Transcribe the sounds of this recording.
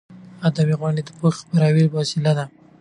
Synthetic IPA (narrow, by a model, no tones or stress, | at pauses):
ad̪abiɣwaɳɖed̪əpopaɾɑwiɾfasɪlad̪a